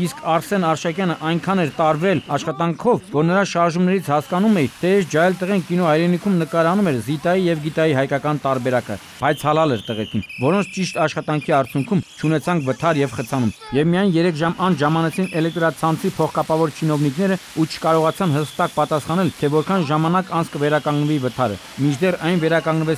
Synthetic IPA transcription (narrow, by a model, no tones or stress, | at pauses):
iskʰɑɾsɛnɑɾʃɑkjɑnəʔɑjŋkʰɑnɛɾt̪ɑɾvɛlɑʃχɑt̪ɑŋkʰɔvːɔɾnəɾɑʃɑɾʒumnɛɾit͡sʰhɑskɑnumɛjt̪ʰɛɛsd͡ʒɑjɛlt̪əʁɛŋkinɔhɑjɾɛnikʰumnəkɑɾɑnumɛɾzit̪ɑjijɛvɡit̪ɑjiɦɑjkɑkɑnt̪ɑɾbɛɾɑkə̰ | b̥ɑjt͡sʰɑlɑlɛɾt̪əʁɛt͡sʰinvɔɾɔnt͡sʰt͡ʃiʃt̪ɑʃχɑt̪ɑŋkʰiɑɾt͡sʰjuŋkʰumt͡ʃʰunɛt͡sʰɑŋkʰvət̪ʰɑɾjɛvχət͡sʰɑnumjɛvmijɑjnjɛɾɛkʰʒɑmɑnt͡sʰʒɑmɑnɛt͡sʰinʔɛlɛk̚t̪ɾɑt͡sʰɑnt͡sʰipʰɔχkɑpɑvɔɾt͡ʃʰinɔvniknɛɾəut͡ʃʰə̥kɑɾɔʁɑt͡sʰɑnɦəst̪ɑk̚pɑt̪ɑsχɑn̪ɛlt̪ʰɛvɔɾkʰɑnʒɑmɑnɑkɑnt͡sʰkəvɛɾɑkɑŋɡnəvivət̪ʰɑɾə̰ | mit͡ʃʰd̪ɛrɑjnvɛɾɑkɑŋɡnəvɛt͡s